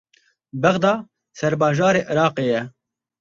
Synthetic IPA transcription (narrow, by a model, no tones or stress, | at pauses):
bɛɣd̪ɑː | sɛɾbɑːʒɑːɾeːʔɨɾɑːqeːjɛ